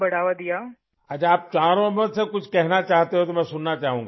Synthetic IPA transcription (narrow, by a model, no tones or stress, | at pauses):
bɐɽ̤aːʋad̪ijaː | ɐt͡ʃaːp̚t͡ʃaːɾõmət̪sekʊt͡ʃʰkɛɦnat͡ʃaːɦt̪eɦõt̪omɛ̃ːsʊnːat͡ʃaːɦũːŋɡaː